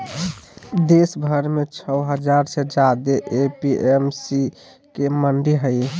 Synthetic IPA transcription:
d̪esbʱəɾmet͡ʃʰəɦəd͡ʒaɾsed͡ʒad̪eʔepiʔemsi | keməɳɖiɦəɪ

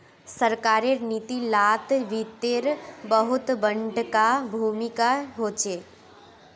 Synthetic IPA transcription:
səɾkaːɾeɾniːt̪ilaːt̪ʋiːt̪eɾbəɦʊt̪bə̃ɳɖkabʱuːmɪkaɦoːt͡ʃeː

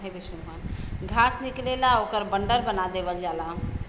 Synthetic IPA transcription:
ɦebiʃuɦanɡʱasniklelaokəɾbəɳɖəɾbənad̪ebəld͡ʒala

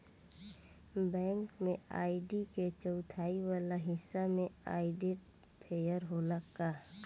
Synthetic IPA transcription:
bɛ̃ːŋkmẽaːɪɖiket͡ʃəʊt̪ʰaːiwaːlaɦɪsːamẽa̰ːiɖeʈ | pʰeːjəɾɦoːlakaː

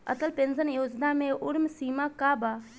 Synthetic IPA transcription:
ə̰t̪əlpenzənjoːd͡ʒnamẽʔʊɽmsiːmakaːbaː

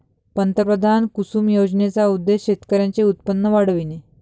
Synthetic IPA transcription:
pənt̪əpɾəd̪ʱankusuːmjod͡ʑnet͡saud̪ːeɕɕet̪kəɾjãt͡seut̪̚pənːəʋaɽ̤əʋine

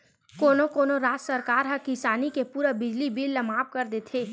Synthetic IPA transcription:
koːnokoːnoɾaːt̪sɐɾkaːɾɦɐ̃kɪsaːnikepuːɾabɪd͡ʒlibilːɐmaːp̚kɐɾd̪eːt̪ʰeː

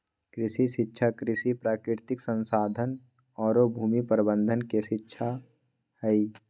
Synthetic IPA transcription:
kɾɪsiʃɪtːʃʰakɾɪsipɾaːkɾɪɾt̪ɪksə̃nsaːd̪ʱən | ɔːɾobʱuːmipəɾbə̃nd̪ʱənkeʃɪtːʃʰa | hɛi

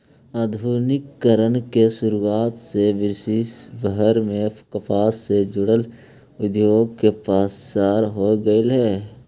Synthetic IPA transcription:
aːd̪ʱuːnɪkːəɾənkesʊɾuaːt̪seʋɪɾsisbəɦəɾmẽkəpʰaːssed͡ʒʊɽəl | ʊd̪joːɡ̚kepaːsʃaːɾɦoɡəelɦɛː

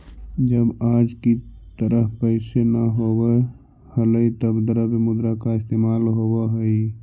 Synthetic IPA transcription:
d͡ʒəbaːd͡ʒkit̪əɾəfpəɪsenəɦobə | hələit̪əbd̪əɾəbemʊd̪ɾakaɪst̪emalɦobəɦəi

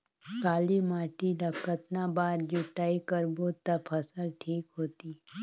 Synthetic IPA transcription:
kaːlimaːʈilɐkət̪nabaːɾd͡ʒut̪aːikəɾbot̪əpʰəsəlʈʰiːkɦoːt̪iː

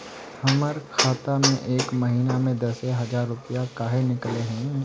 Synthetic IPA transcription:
ɐməɾkʰaːt̪amẽʔeːkmɐɦiːnamẽd̪ɐseɦɐzaːɾːʊpijakaːɦenɪkleɦɛ̃

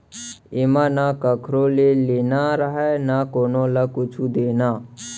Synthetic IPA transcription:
ɪmanakəkʰɾõleleːnaɾəɦɛnakoːnõːləkʊt͡ʃʰud̪eːnaː

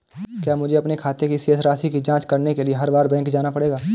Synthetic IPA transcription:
kjaːmʊd͡ʒʱeɐpnekʰaːt̪ekiseːsɾaːsʰikid͡ʒãːt͡ʃkɐɾnekelieɦɐɾbaːɾbɛ̃ːŋkd͡ʒaːnapɐɽeːɡaː

